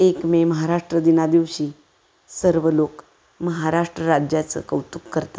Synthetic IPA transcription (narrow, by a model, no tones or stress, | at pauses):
ekmeməɦaɾaʂʈɾəd̪inad̪iʋɕiː | səɾʋəlok | məɦaɾaʂʈɾəɾad͡ʑjat͡sə̰kəwt̪ukːəɾt̪ḁ